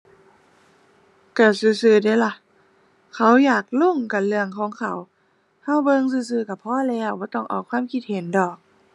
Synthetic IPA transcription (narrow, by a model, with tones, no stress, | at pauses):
ka˧˩sɯː˧˦sɯː˧˦da˧˦la˧˨ | kʰa˧˦wjaː˨˩k̚lo˧˥˨ŋka˨˩nlɯ˧əŋkʰɔː˨˦ŋkʰa˧˦w | ha˧˨wbɤ˧˨ŋsɯː˧˦s̬ɯː˧˦ka˧˩pʰɔː˧˥˨lɛː˧˥˩wbɔː˧˦t̪ɔ˧˩ŋʔa˨˩wkʰwaː˧˥˨mkʰi˧t̪̚he˨˦ndɔː˨˩k̚